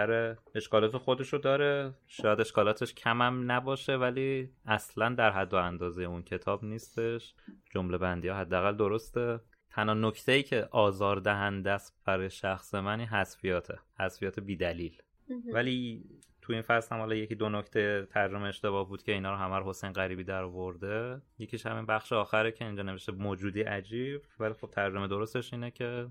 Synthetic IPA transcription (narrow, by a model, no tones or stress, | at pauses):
æɾee̞ʃkɒːlɒːt̪ʰe̞xo̞d̪e̞ʃod̪ɒːɾe̞ʃɒːjæd̪eʃkɒːlɒːt̪ʰe̞ʃcʰæmæmnæbɒːʃe̞væliːæslænd̪æɾɦæd̪ːoænd̪ɒːzejeuncʰe̞t̪ʰɒːbniːst̪e̞ʃd͡ʒomle̞bænd̪iːhɒːɦæd̪ːææɣæld̪o̞ɾo̞st̪e | t̪ʰænhɒːnoct̪ʰe̞iːcʰe̞ʔɒːzɒːɾd̪æɦænd̪æst̪̚b̥æɾɒːjeʃæxse̞mæniːnɦæsfijɒːt̪ʰehæsfijɒːt̪ʰe̞biːd̪æliːl | væli | t̪ʰuinfæslhæmhɒːlɒːje̞ciːd̪o̞nocʰt̪ʰe̞jet̪ʰæɾd͡ʒo̞meːʃt̪e̞βɒːhbuːd̪cʰʲe̞inɒːɾoɦæmæɾoɦo̞se̞jnɣæɾiːbiːd̪æɾɒvo̞ɾd̪ejecʰiːʃhæ̰minbæxʃeɒːxæɾecʰe̞ind͡ʒɒːneve̞ʃt̪emoːd͡ʒuːd̪iːʔæd͡ʒiːb̥vælixo̞b̥̚t̪ʰæɾd͡ʒo̞me̞d̪o̞ɾost̪e̞ʃiːnecʰe̞